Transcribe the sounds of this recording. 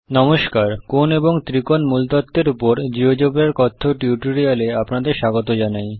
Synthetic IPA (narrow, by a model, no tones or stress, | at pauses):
nɔmoʃkaɾkoneboŋt̪ɾikonmult̪ɔt̪ːeɾupoɾd͡ʑiod͡ʑobɾeɾkɔt̪ʰːoʈiuʈoɾialeapnad̪eɾʃaɡot̪̬od͡ʑanaj